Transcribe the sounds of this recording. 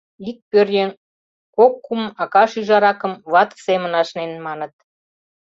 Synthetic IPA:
lik̚pørjen | kokːumɑkɑʃyʒɑɾɑkə̆mβɑt̪semənɑʃnenmɑnə̆t̪̚

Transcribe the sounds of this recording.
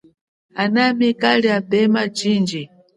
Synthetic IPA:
anamikaliabɛmad͡ʒiːnd͡ʒi

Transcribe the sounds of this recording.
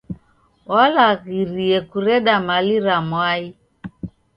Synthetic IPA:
walaɣiɾiɛkuɾɛɗamaliɾamwai

